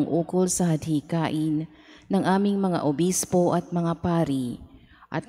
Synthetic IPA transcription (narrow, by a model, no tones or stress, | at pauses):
ŋʔuːkolsɐhɐd̪̚hikaːʔɪn | nɐŋʔaːmɪŋmɐŋa̰ʔobispo̞ʔɐt̪̚mɐŋapaːɾi | ʔɐ̰t̪̚